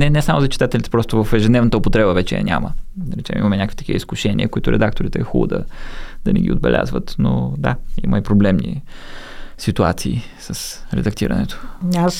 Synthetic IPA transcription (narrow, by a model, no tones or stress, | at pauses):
nɛnɛsamozɐt͡ʃi̥t̪at̪ɛlʲit̪ɛpɾɔst̪ovəfɛʒɛd̪nɛvnət̪əopot̪ɾɛbəvɛt͡ʃɛɐ̰ɲʲaməd̪ɾɛt͡ʃɛmḭmɐmɛnʲakəkv̥it̪ɐ̥kivə̰iskʊʃɛnʲḭəkʊit̪ʊɾɛd̪ak̚t̪oɾit̪ɛːxubə̰d̪ɐd̪̥ɐnɛɡʲḭo̰d̪bɛ̰lʲʔa̰zvət̪nod̪a̰iməipɾoblɛmnḭ | sit̪uat̪siː | səsɾɛ̰d̪ɐkt̪iɾə̰nɛt̪o̥as